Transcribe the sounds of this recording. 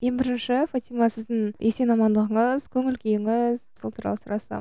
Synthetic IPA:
jenbɪɾɪnʃɪfat̪ʲimɑsɪzd̪ɪnjesenɑmɑnd̪əʁəɴəz̥kʲʰɵŋɪlkʲʰejɪŋɪzsəlˠt̪ʰəɾɑ̰lˠɑsɾɑsɑ̰

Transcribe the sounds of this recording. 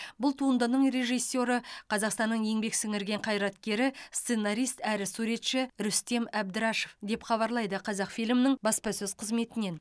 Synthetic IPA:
bʊlˠt̪ʰuənd̪ənəɴɾe̞ʒijsːo̞ɾəqʰɑzɑqst̪ɑnːəɴje̞ŋbe̞ksɪŋɪɾɡʲe̞ɴqʰɑjɾɑt̪kʲe̞ɾɪst̪se̞naɾijst̪æɾɪsuɾe̞t̪ʃɪɾʏst̪e̞mæbd̪ɪɾɑʃefd̪e̞pχɑβɑɾlˠɑjd̪əqʰɑzɑqfijlɪmɪnɪŋbɑspɑsɵz̥qʰəzme̞t̪ɪne̞n

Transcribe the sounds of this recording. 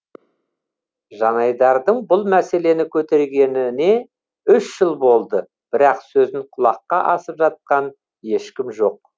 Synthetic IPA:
ʒɑnɑjd̪ɑɾd̪əɴbʊlˠmæse̞le̞nɪkʲʰɵt̪e̞ɾɡʲe̞nɪne̞ | ʏʃːəlˠbo̞lˠd̪ə | b̥ɪɾɑqsɵzɪŋqʰʊlˠɑqːɑʔɑsəpʒɑt̪̚qɑn | je̞ʃkʲɪmʒo̞q̚

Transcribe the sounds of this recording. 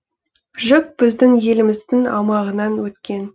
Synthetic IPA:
ʒʏk̚b̥ɪzd̪ɪŋje̞lɪmɪzd̪ɪŋɑ̰mɑʁənɑnwɵt̪kʲe̞n

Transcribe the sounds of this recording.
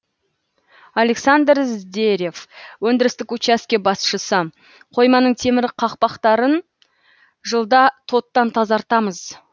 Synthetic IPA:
ale̞ksand̪ɾzd̪eɾʲje̞fwɵnd̪ɪɾɪst̪ɪkut͡ʃaskʲe̞bɑsʃəsə | qʰo̞jmɑnəɴt̪ʰe̞mɪɾqʰɑqpɑqt̪ɑɾən | ʒəlˠd̪ɑt̪ʰo̞t̪ːɑnt̪ʰɑzɑɾt̪ɑməz

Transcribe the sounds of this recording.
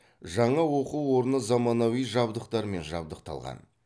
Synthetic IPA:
ʒɑɴɑwo̞quwːo̞ɾənəzɑmɑnɑwijʒɑbd̪əqt̪ɑɾme̞nʒɑ̰b̚d̪əq̚t̪ʰɑ̰lˠʁɑ̰n

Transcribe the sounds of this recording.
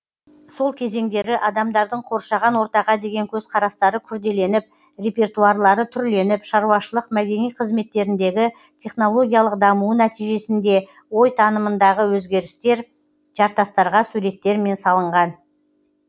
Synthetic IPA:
so̞lˠkʲʰe̞ze̞ŋd̪e̞ɾɪʔɑd̪ɑmd̪ɑɾd̪əɴqʰo̞ɾʃɑʁɑnwo̞ɾt̪ɑʁɑd̪e̞ɡʲe̞ŋkʲʰɵzqʰɑɾɑst̪ɑɾəkʲʰʏɾd̪e̞le̞nɪp̚ | re̞pʲe̞rt̪uɑɾlˠɑɾət̪ʰʏɾle̞nɪpʃɑɾuɑʃəlˠəqmæɡʲe̞nijqʰəzme̞t̪ːe̞ɾɪnd̪e̞ɡʲɪ | t̪ʰʲe̞χno̞lˠo̞ɡʲijɑlˠəqd̪ɑmuənæt̪ijʒe̞sɪnd̪e̞ | wo̞jt̪ʰɑnəmənd̪ɑʁəwɵzɡʲe̞ɾɪst̪e̞ɾ | ʒ̥ɑɾt̪ɑst̪ɑɾʁɑsuɾe̞t̪ːe̞ɾme̞nsɑlˠəɴʁɑn

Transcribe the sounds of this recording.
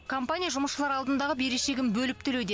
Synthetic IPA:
kʰo̞mpanʲijaʒʊməsʃəlˠɑɾɑlˠd̪ənd̪ɑʁəbe̞ɾe̞ʃe̞ɡʲɪnbɵlɪp̚t̪ʰɪled̪e

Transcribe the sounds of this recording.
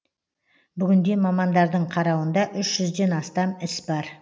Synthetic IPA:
bʏɡʲɪnd̪e̞mɑmɑnd̪ɑɾd̪əɴqʰɑɾɑwənd̪ɑʔʏʃʒ̥ʏzd̪e̞nɑst̪ɑmɪsbɑɾ

